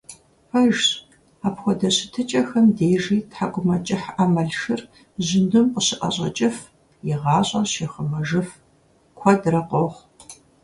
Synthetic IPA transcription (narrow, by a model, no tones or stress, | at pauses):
fɐʒ | aːpxʷɔdɐɕɪtʰɨt͡ʃʼɐxɐmdeːʒiːtħakʷʼʊmɐt͡ʃʼɪħamɐɮʃɨr | ʑɪndɨmqʷəɕɪʔɐ̰ɕʼɐ̰t͡ʃʼɪf | jɪʁɑːɕʼɐɕeːχəmɐʒɨf | kʷʰɔdrɐqʼoχʷ